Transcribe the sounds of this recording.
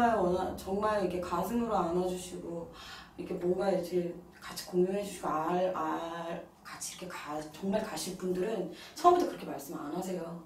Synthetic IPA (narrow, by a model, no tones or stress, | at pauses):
aɭwʌnat͡ɕʌŋmaɭiɡʰe̞kasʰɯŋɯɾoanad͡ʑuɕʰiɡoikʰe̞mwʌɡaiɾd͡ʑi | kat͡ɕʰi̥koŋjoŋɦed͡ʑuɕʰiɡoaɭa | kat͡ɕʰiɾʌkʰe̞kat͡ɕʌŋmaɭkaɕʰiɭp͈undɯɾɯn | t͡ɕʰʌmbetʰʌkɯɾʌkʰemaɭs͈ɯma̰nɦasʰe̞jo